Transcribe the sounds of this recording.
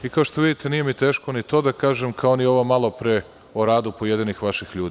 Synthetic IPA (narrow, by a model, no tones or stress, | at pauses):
ikaoʃt̪oʋid̪it̪enije̞mit̪eːʃkonit̪o̞ːd̪akaːʒemkʰaonjeo̞ʋomalˠopɾe | oɾaːd̪upojed̪inixʋaʃixʎuːd̪i